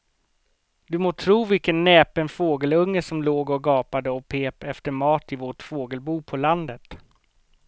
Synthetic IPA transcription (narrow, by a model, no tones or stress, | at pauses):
d̪ɵmoːt̪ʰɾuːvɪlkənːɛːpənfoːɡəlɵŋːəʂɔmloːɡɔɡɑːpad̪əɔpʰeːpɛft̪əɾmɑːt̪ɪvoːʈfoːɡəlbuːpʰɔland̪ət̪